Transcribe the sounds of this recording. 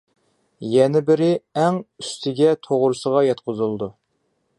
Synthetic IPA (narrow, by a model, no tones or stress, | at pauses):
jɛnɪbɪɾɪæŋyst̪ʰɪɡʲɛt̪ʰoʁɾʊsəʁɑjɑt̪qʰʊzɨlˠd̪u